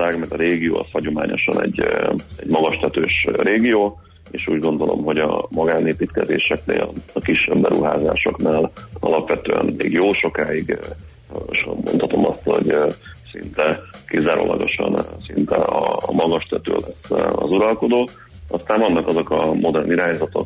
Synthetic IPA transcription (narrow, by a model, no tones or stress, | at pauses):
aːɡmɛrt̪ɒɾeːɡijo̰ːɒshɒɟo̞maːɲo̞ʃɒnɛɟːɛɟmɒɡɒʃt̪ɛt̪øːʃɾeːɡijoː | eːʃuːɟɡo̞nd̪o̞lʔo̞̰mɦo̞ɟɒmɒɡaːneːpiːt̪kɛzeːʃɛknḛːlɒkiʃːɛbːɛɾuɦaːzaːʃo̞knaːlɒ̰lɒpʋɛt̪øːɛ̰nmeːɡjoːʃo̞kaːjiɡ | ʃmont̪ʰɒt̪o̞mɒst̪ho̞ɟsint̪ɛkizaːɾo̰ːlɒɡo̞ʃɒnsint̪ɛɒmɒɡɒʃt̪ɛt̪ø̰ːlɛsːɒzuɾɒlko̞d̪oː | ɒst̪aːɱvɒnːɒkɒzo̞kɒmʔo̞d̪ɛrniɾaːɲzɒt̪o̞k